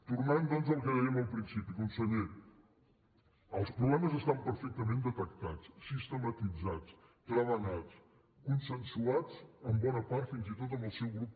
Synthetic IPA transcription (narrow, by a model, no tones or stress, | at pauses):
t̪urnand̪ənzəlˠkəðɛjɛməlˠpɾinsipikunsəɲe | əlˠspɾuβlɛməzəst̪ampəɾfɛk̚t̪əmẽnd̪ət̪əkt̪at͡ssist̪əmət̪id͡zat͡s | t̪ɾəβənat͡s | kunsənsuat͡səmbɔnəpaɾt̪finzit̪ot̪̬əmbəlˠsɛwɣɾup̚